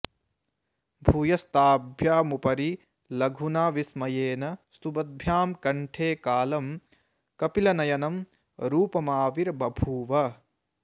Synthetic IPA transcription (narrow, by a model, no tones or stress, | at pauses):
bʱuːjɐst̪aːbʱjaːmupɐɾi | lɐɡʱunaːʋismɐjeːnɐst̪ubɐd̪̚bʱjaːmkɐɳʈʰeːkaːlɐm | kɐpilɐnɐjɐnɐm | ɾuːpɐmaːʋiɾbɐbʱuːʋɐ